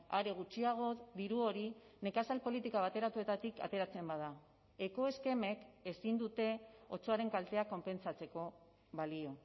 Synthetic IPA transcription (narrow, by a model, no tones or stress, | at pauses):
aɾe̞ɣ̞ut͡ʃiaɣ̞o̞ðiɾuo̞ɾi | ne̞kasalpo̞lit̪ikaβ̞at̪e̞ɾat̪ue̞t̪at̪ika̰t̪e̞ɾat͡se̞mbað̞a | e̞ko̞e̞ske̞me̞ke̞sind̪ut̪e̞o̞t͡so̞aɾe̞ŋkalt̪e̞ako̞mpe̞nt͡sat͡se̞ko̞ | βalio̞